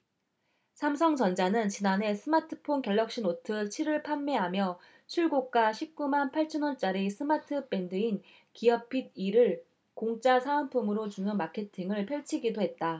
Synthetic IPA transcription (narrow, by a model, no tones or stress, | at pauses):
sʰamsʰʌŋt͡ɕʌnd͡ʑanɯnt͡ɕinanɦe̞sʰɯmatʰɯ̥pʰonkʌɭːʌk̚ɕ͈inotʰɯt͡ɕʰiɾɯɭpʰamːeɦamjʌ | t͡ɕʰiɭɡok̚k͈aɕʰip̚k͈umanpʰaɭt͡ɕʰʌnont͡ɕ͈aɾisʰɯmatʰɯpe̞ndɯin | kiʌpʰid̚iɾɯɭ | koŋt͡ɕ͈asʰaonpʰumɯɾot͡ɕunɯnmakʰe̞tʰiŋɯɭpʰjʌɭt͡ɕʰiɡidoɦe̞t̚t͈a